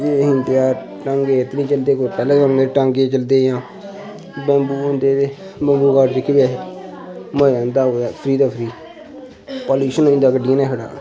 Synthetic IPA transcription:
eːɦɪ̃nt̪ejaː | ʈãŋɡeːɪt̪nĩːt͡ʃəld̪eːkoipɛːlãːkamneːʈãŋɡeːt͡ʃəld̪eːjãː | bɛ̃mbuːõnd̪eːeː | bə̃ːmbuːkaːʈd͡ʒɪkʰːbeː | məãːnd̪aːoːaːpʰɾiːd̪aːpʰɾiː | poːljuːʃənoĩnd̪aːkəɖijãːneːɦʰəɽa̰ː

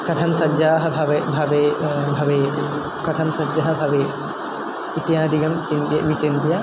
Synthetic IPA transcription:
kɐt̪ʰɐmsɐdd͡ʒaːɦɐ̆bʱɐʋbʱɐʋebʱɐʋejt̪ʰi | kɐt̪ʰɐmsɐd͡ʒɐɦɐ̆bʱɐʋejt̪ʰ | it̪jaːd̪ʱiɡɐmt͡ʃint̪j̰ʋit͡ʃint̪ja

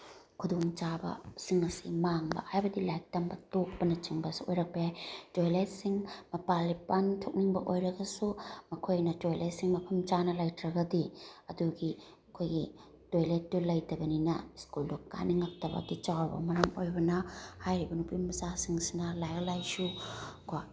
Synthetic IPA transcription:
kʰudoŋt͡ʃabɐ̰siŋɐsḭmaŋbɐ̰hajbɐdilajk̚tɐmbɐtok̚pɐnɐt͡ʃiŋbɐsuojɾɐk̚pɐjajtojlet̚siŋmɐpalipantʰok̚niŋbɐ̰ʔojɾɐɡɐsumɐkʰojnɐtojlet̚siŋmɐpʰɐmt͡ʃanɐlajtɾɐɡɐdiɐduɡi | ɐkʰojɡi | tojlet̚ːulɐjtɐbɐninɐ̰skuldukːa̰niŋɐk̚tɐbɐ̰dit͡ʃawɐbɐ̰mɐɾɐmojbɐnɐhajɾibɐnupimmɐzasiŋsinɐlajɐlajsuka

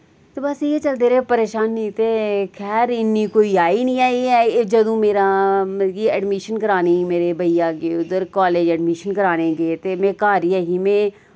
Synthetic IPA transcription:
t̪oːbɐsjet͡ʃəld̪eːɾepəɾeːʃaːnːĩt̪ekʰɛːɾɪnːikoːiːaːinĩːaːiɛd͡ʒɐd̪õːmeːɾaːmɡiɛɖmɪʃənkəɾaːneimeːɾebəijãːkeʊd̪əɾkaːleːd͡ʒɛɖmɪʃənkəɾaːnẽɡeːt̪eːmẽːkaːɾiɛːɦiːmẽː

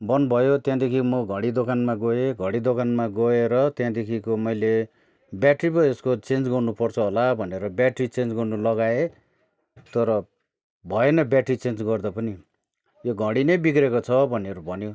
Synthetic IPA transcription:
bʌnbʱʌjot̪jãd̪ekʰikomʌɡʱʌ̃ɽid̪okanmaɡoeɡʱʌ̃ɽid̪okanmaɡoeɾʌt̪jãd̪ekʰikomʌjle | bjaʈripʌeskot͡send͡zɡʌrnupʌrt͡sʰʌɦolabʱʌneɾʌbjaʈrit͡send͡zɡʌrnulʌɡae | t̪ʌɾʌ | bʱʌenʌbjaʈrit͡send͡zɡʌrd̪ʌpʌni | joɡʱʌɽinʌjbikrekot͡sʰʌbʱʌneɾubʱʌnjo

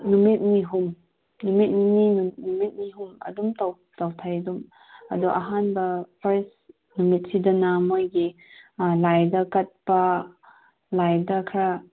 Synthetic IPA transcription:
numit̚miɦum | numit̚nininnumit̚niɦumɐ̰dumtaw | tawtʰajɐdum | ɐ̰duʔaɦanbɐpʰɐɾs | numit̚sidɐnamojɡi | lajdakɐt̚pa | lajdakʰɾa

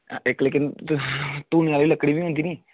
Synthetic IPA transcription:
ɪkleːkɪn | t̪uːnːaːliːləkːɽiːbiːɦõːnd̪iːniː

